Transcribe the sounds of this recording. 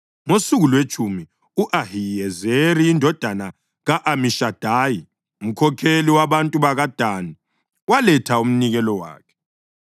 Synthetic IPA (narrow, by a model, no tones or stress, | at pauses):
ŋosuɣulwet͡ʃʰʼumi | uʔaɦijɛzeriːndʱɔd̥ʱana | ɣaʔamiʃad̥ʱaːji | um̩kʰɔkʰeliwaβantʼuβaɣad̥ʱaːni | walɛtʰaum̩niɣɛlɔwa̰ːkʰɛ̥